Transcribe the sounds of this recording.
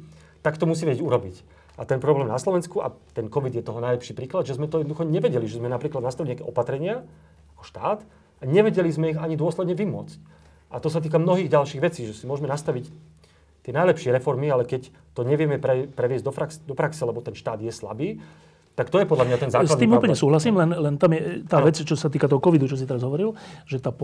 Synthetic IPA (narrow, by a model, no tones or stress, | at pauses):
t̪akt̪ɔmus̬iʋɛɟɛɟuɾɔbic | at̪ɛnpɾɔblɛːmnaslɔʋɛnskua̰t̪ɛnkɔʋid̪jɛt̪ɔɦɔnajlɛpʃiːpɾiːklad̪ʒɛzmɛt̪ɔjɛd̪nɔd̪uxɔɲɛʋɛɟɛliʒɛzmɛnapɾiːklad̪nast̪aʋilɲakɛʔɔpat̪ɾɛɲɪa | akɔ̥ʃt̪aːt̪ | aɲɛʋɛɟɛlizmɛiɣaɲid̪ʊɔslɛd̪ɲɛʋimʊɔt͡sc | at̪ɔsat̪iːkamnɔɦiːɣɟalʃiːɣʋɛt͡siːʒɛsimʊɔʒmɛnast̪aʋic | t̪ɪɛnajlɛpʃɪɛɾɛfɔɾmialɛkɛc | t̪ɔɲɛʋɪɛmɛpɾɛpɾɛʋɪɛzɟd̪ɔfɾaksd̪ɔpɾaksɛlɛbɔt̪ɛnʃt̪aːd̪jɛsla̰biː | t̪akt̪ɔjɛpɔd̪lamɲat̪ɛnzaːsad̪iːmuːpl̩ɲɛsuːɦlasiːmlɛnlɛnt̪amjɛt̪aːʋɛt͡st͡ʃɔsat̪iːkat̪ɔɦɔkɔʋid̪ut͡ʃɔs̬it̪ɛɾazɦɔʋɔɾilʒɛt̪aːp